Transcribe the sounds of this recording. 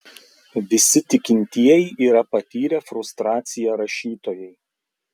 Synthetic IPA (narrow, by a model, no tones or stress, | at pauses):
ʋʲɪsʲɪt̪ʲɪkʲɪnʲt̪ʲiɛjiʔiːɾɐpɐt̪ʲiːɾʲɛfɾʊst̪ɾɑːt̪sʲɪjɛɾɐʃʲiːt̪oːjɛɪ